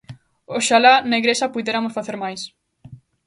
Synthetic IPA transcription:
oʃalaneɣɾesɐpuðeɾamʊsfaθeɾmajs

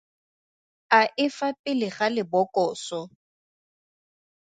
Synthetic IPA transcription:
aʔɪfapʼɪlɪχalɪbɔkʼɔːsɔ

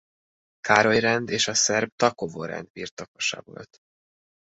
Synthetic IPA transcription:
kaːɾo̞jrɛnd̪eːʃɒsɛrb̚t̪ɒkovo̰ɾɛ̰nd̪birt̪ɒkoʃa̰ːbo̰lt̪

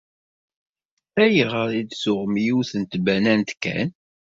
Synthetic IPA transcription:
æjiʁəɾˤid̪sʊʁmjuθənt̪bænænt̪kæ̰n

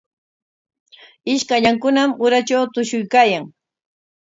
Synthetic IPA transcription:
ɪʃkaʎaŋkʊnamʊɾat͡ʃawt̪ʊʃʊjkaːjaŋ

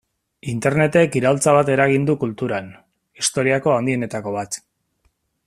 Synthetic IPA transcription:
int̪e̞ɾne̞t̪e̞kiɾalt͡saβ̞at̪e̞ɾaɣ̞ind̪ukult̪uɾan | ist̪o̞ɾiako̞and̪ie̞ne̞t̪ako̞β̞at̪

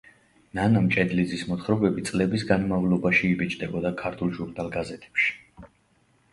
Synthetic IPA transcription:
nanamt͡ʃʼɛd̪lid̪zismɔt̪χɾɔbɛbit̪sʼlɛbis̬ɡanmavlɔbaʃiːbit͡ʃʼd̪ɛbɔd̪akʰaɾt̪ʰulˠʒuɾnalˠɡazɛt̪ʰɛ̥pʃi̥

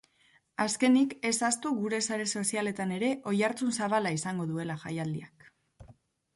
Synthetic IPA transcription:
aske̞nike̞sast̪uɣuɾe̞saɾe̞so̞siale̞t̪ane̞ɾe̞ʔo̞jaɾt͡sunsaβalaisaŋɡo̞ðue̞laʝa̰jald̪iak

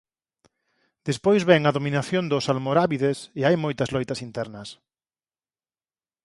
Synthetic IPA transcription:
d̪̥espojzβɛŋɐðomĩnaθjond̪ʊsalmoɾaβiðeseajmojt̪ɐzlɔjt̪ɐsint̪ɛɾnɐs

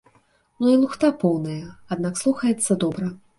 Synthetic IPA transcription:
nuilˠuxt̪apɔwnɐjɐad̪̚nakslˠuxɐjɛt̪sːɐd̪ɔbɾɐ

